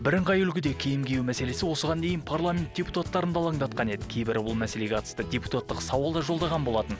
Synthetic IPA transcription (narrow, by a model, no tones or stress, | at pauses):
bɪɾəɴqʰɑjʏlkʲɪd̪e̞kʲʰe̞jɪmɡʲe̞jɪmæse̞le̞sɪwo̞səʁɑnd̪e̞jɪnpʰarlˠamʲe̞nt̪̚d̥ʲe̞put̪at̪ːɑɾənd̪ɑlˠɑŋd̪ɑt̪̚qɑne̞d̪ɪ̥kʲʰe̞jbɪɾbʊlˠmæse̞le̞ɡʲeɑt̪ə̥st̪ədʲe̞put̪at̪ːəqsɑwɑlˠd̪ɑʒo̞lˠd̪ɑʁɑnbo̞lˠɑt̪ən